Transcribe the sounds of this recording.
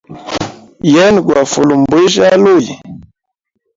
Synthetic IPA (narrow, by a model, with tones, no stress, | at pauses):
jɛ˦n˨ɡwa˨fu˨lu˨m˨bwe˦ʒa˦lo˦˨j